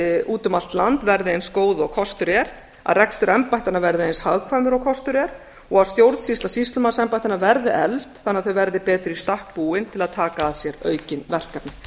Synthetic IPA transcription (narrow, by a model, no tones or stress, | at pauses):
uːt̪ʏmal̥t̪lant̪vɛɾðɪejnskoːwðʏɔkʰɔst̪ʏɾjɛɾ | a̰ðrɛkst̪ʏɾɛmpajht̪anavɛɾðɪejnshaðkʰvaːmʏɾɔkʰɔst̪ʏɾjɛɾ̥ | ɔɣast̪jowɾt̪sist̪lasist̪lʏmasɛmpajht̪anavɛɾðɪʔɛlt̪θanːɪaðθœɥvɛɾðɪpɛːt̪ʏɾist̪ahk̚puːɪnt̪ʰɪlaðt̪ʰaːkaːðsjɛɾœːɥcɪnvɛr̥kat̪nɪ